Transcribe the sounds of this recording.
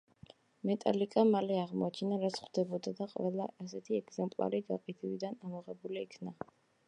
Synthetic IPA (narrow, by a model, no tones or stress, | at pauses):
mɛt̪ʼa̰likʼamalɛaʁmɔ̰at͡ʃʰɛnaɾat̪sʰχd̪̥ɛbɔd̪ad̪aqʼvɛlˠaːsɛt̪ʰiɛɡzɛmpʼlˠa̰ɾiɡaqʼit̪ʰivid̪anamɔʁɛbuliːkʰna